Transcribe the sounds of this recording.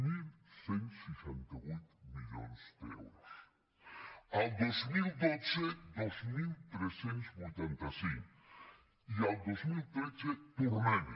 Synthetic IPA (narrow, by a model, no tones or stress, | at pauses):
milsensiʃɛnt̪aujt̪miʎo̰nzd̪ɛ̰wɾos | alˠd̪ozmilˠd̪ott͡sed̪ozmilˠt̪ɾesent̪sbujt̪ant̪asiŋk | ialˠd̪ozmilˠt̪ɾet͡set̪uɾmen